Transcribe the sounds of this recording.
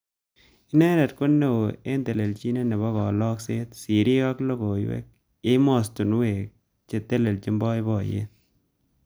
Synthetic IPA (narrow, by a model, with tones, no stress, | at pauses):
ɪ˦nɛ˦ɾɛ˨t̚kʊ˦nːe˦wo˨e˦nte˨le˨lt͡ʃi˦ne˦ne˨βɔ˦kɔ˨lɔ˦kse˦tsi˨ɾi˦ka˦klo˦ko˨jwḛ˦k̚ | e˦mɔ˨stu˨n˦we˨k̚ | t͡ʃe˨te˦le˨lt͡ʃi˦mbɔ˦jbɔ˨jḛ˦